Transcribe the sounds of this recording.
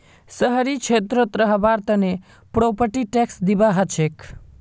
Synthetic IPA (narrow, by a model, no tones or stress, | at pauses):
səɦəɾit͡ʃʰet̪ɾət̪ɾəɦbaɾt̪əne | pɾopəʈiʈeksd̪ibaɦət͡ʃʰek